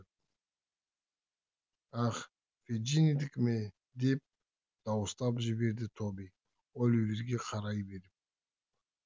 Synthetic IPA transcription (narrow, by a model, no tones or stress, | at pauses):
aχ | fed͡ʒinid̪ɪkʲme | d̪e̞p̚ | d̪̥ɑwəst̪ɑpʒɪbe̞ɾd̪ɪt̪ʰobij | wolˠɵveɾɡʲe̞qʰɑɾɑjbe̞ɾɪp̚